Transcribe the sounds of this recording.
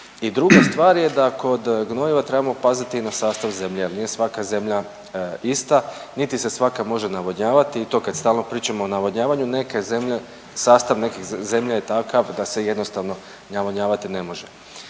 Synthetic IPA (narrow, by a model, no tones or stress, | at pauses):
id̪ɾuɡast̪ʋaːɾje̞d̪ako̞d̪ɡno̞jiʋat̪ɾebamopazat̪iːnasaːst̪aʋze̞mʎejelnije̞sʋakaze̞mʎa | ist̪anit̪ise̞sʋakamo̞ʒe̞naʋoɲaːʋat̪iːt̪o̞ːkad̪̥st̪aːlno̞pɾiːt͡ʃamoːnaʋoɲaːʋaɲune̞keze̞mʎe | saːst̪aʋnekixze̞mʎajet̪akaʋd̪ase̞je̞d̪nost̪aʋno̞ | naʋoɲaːʋat̪ine̞mo̞ʒe